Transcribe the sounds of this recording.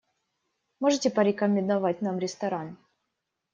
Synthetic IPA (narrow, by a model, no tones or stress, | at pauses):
moʐɨtʲɪpəɾʲɪkəmʲːɪnd̪ɐvat̚ʲnamɾʲɪst̪ɐɾan